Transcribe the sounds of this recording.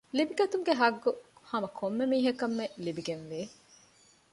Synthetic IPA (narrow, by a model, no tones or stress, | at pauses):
libiɡɐt̪uŋɡeɦɐɡːuhɐmɐkʰomːemiːɦɐkɐmːelibiɡenʋiː